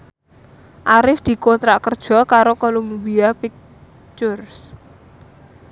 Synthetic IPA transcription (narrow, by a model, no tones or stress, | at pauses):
ʔaɾɪfd̪̥i̤kont̪ɾakərd̥ʒ̥ɔ̤kaɾokolumbiapik̚ | t͡ʃʊrs